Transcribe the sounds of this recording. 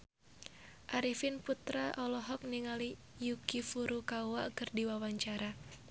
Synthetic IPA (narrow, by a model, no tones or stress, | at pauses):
ʔaɾifinput̪ɾaʔɔlɔɦɔk̚niŋali | jukifuɾukauwaʔkɨrdiwawaɲt͡ʃaɾa